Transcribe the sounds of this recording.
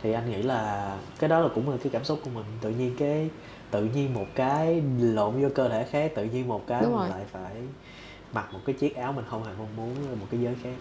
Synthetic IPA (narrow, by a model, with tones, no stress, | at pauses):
t̪ʰi˨˩ʔa˧jŋ̟ŋḭ˧˥laː˨˩kaː˨˦jɗɔ˨˦laː˨˩kʊ̰˧˥ŋ͡mlaː˨˩kaː˨˦jkaː˧˩msʊ˦˥t̚ku˧əmï˨˩ŋ̟t̪ɨ̰˧˨ɲi˧ənkaː˨˦j | t̪ɨ̰˧˨ɲi˧ənmo˨˩t̚kaː˨˦jlo̰˧˩nzɔ˧kəː˧t̪ʰe˧˩xaː˦˥k̚t̪ɨ̰˧˨ɲi˧ənmo˨˩t̚kaː˨˦jm˦˨˩la̰ː˧˨jfaː˧˩j | ma˨˩mo˨˩t̚kaː˨˦jt͡ɕi˦˥ət̚ʔaː˨˦wmï˨˩ŋ̟xə˧wŋ͡mhe˧˩mɔ˧nmu˨˦ən˧˩mo˨˩t̚kaː˨˦jzəː˨˦jxaː˦˥k̚